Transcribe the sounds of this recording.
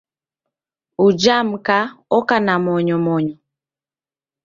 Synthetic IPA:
ud͡ʒam̩kaɔkanamɔɲɔmɔɲɔ

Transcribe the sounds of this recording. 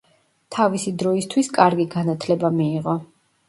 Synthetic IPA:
t̪ʰavisid̪ɾɔist̪ʰwiskʼaɾɡiɡanat̪ʰlɛbamiːʁɔ

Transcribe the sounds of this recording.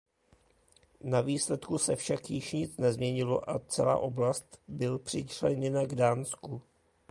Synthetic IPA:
naviːslɛt̪kusɛfʃakjɪʃɲɪt͡snɛzmɲɛɲɪloʔat͡sɛ̰la̰ːʔo̞blast̪bɪlpr̝̥ɪt͡ʃlɛɲɛnaɡdaːnsku

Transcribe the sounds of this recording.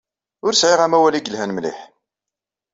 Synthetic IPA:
ʊɾsʕiʁæmæwæliɡəlɦænmlḭħ

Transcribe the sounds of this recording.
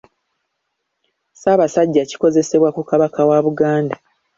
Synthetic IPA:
saːβasaɟːaci̥ko̞ze̞se̞βwakukaβakawaβuɡaːnda

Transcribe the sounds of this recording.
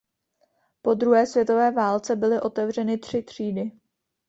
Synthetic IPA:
po̞d̪ɾuɦɛːsvjɛt̪o̞vɛːvaːlt͡sɛbɪlɪʔo̞t̪ɛvr̝ɛnɪt̪r̥ɪt̪r̝̥iːdɪ

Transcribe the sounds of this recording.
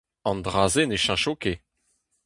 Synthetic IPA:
ɑ̃nd̪ʁaːzeneʃãʃoke

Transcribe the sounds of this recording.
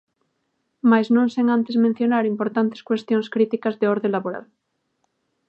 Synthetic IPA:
majznõŋseŋãnt̪ezmẽn̟θjo̞naɾimpo̞ɾt̪ant̪eskwe̞st̪jonskɾit̪ikazðeoɾðenlaβoɾa̰l

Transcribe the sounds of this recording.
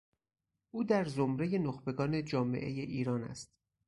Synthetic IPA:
ʔuːd̪æɾzomɾeje̞noxbe̞ɡɒːne̞d͡ʒɒːme̞̰ʔe̞̰je̞ʔiːɾɒːnæ̰st̪̚

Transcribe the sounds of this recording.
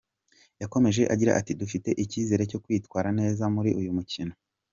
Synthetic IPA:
jako̞me̞ʒe̞ʔaɟiɾa̰ʔatidufite̞ʔiciːze̞ːɾe̞co̞kwiːtwaːɾane̞ːzamuɾiʔujumucino

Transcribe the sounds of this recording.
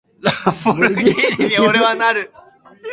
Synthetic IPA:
lafoɾeoɾeβanaɾɯ

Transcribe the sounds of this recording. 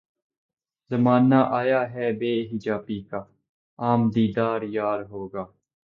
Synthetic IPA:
zəmaːnaːʔaːjaːɦɛːbeːɦɪd͡ʒaːpiːkaː | aːmd̪iːd̪aːɾjaːɾɦoːɡaː

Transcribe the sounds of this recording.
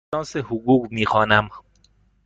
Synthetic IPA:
ɒːnsehuɡuːɡmiːxɒːnæm

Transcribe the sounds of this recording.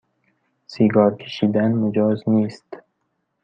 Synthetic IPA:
siɡɒːɾkʰe̥ʃiːd̪ænmʊd͡ʒɒːzniːst̪

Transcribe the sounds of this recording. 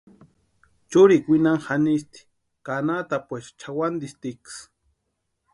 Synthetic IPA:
t͡ʃuɾikʷinaŋxanist̪i̥ | kanat̪apʷeʃt͡ʃʰawand̪ist̪iks

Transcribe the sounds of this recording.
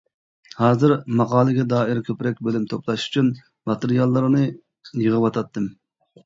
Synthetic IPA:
hɑːzɨɾmɑqɑːlˠɨɡʲɛd̪ɑːɪɾkʲʰøpɾɛk̚ʲbølymt̪ʰoplˠɑʃy̥t͡ʃʰyn | mɑt̪eɾijɑlˠːɨɾnɨ | jəʁəwɑt̪ʰɑt̪ːɨm

